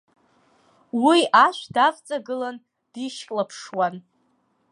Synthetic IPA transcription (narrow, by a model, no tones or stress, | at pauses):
wiaʃʷdavt͡sʼaɡɨlan | d̥iʃkʼlapʰʂwan